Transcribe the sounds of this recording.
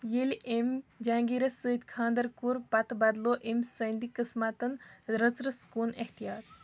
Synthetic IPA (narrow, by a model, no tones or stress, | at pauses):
jelʔemd͡ʒãːŋɡiːɾɐsɨːid̪kʰãːnd̪ɐɾkuɾpɐt̪bɐd̪loːʔemsəːnd̪ikɨsmat̪ɐnɾət͡sɾɐskuːneht̪ijaːt̪